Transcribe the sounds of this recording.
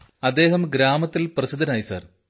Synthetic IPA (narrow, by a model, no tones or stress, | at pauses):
ɐd̪ːe̞ːɦɐmɡɾaːmɐt̪ːilprɐsid̪ʱːɐnaːjisa̰ːr